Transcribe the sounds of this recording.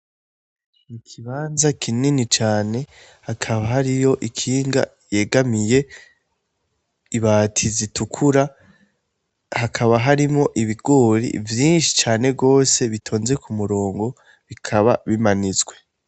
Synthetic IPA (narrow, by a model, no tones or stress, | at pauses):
ikʰiβaːnzakʰininit͡ʃaːne̞ | hakʰaβaɦaɾijo̞ʔikʰiːŋɡa̰ | je̞ɡamije̞ | iβaːtʰizitʰukʰuɾa | hakʰaβaɦaɾimŋo̞ʔiβiɡ̥oːɾḭvjiːnʃi̥t͡ʃaːne̞bɡo̞ːse̞βitʰo̞ːnze̞kʰumuɾo̞ːŋɡo̞ | βikʰaβaβimanizɡwe̞